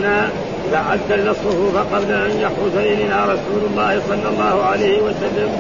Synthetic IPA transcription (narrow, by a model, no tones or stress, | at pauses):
naː | ɪðaʕad̪ːalːɑsˤːʊfuːfaqɑblaʔanjaħʊsajnɪnaːɾˤɑsuːlʊlˤːɑːhɪsˤɑlːɑlˤːɑːhʊʕalajhɪwasalːam